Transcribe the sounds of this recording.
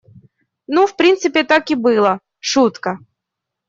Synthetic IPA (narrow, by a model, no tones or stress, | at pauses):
nufpɾʲint̪sɨpʲɪt̪akɪbɨlˠə | ʂut̪kə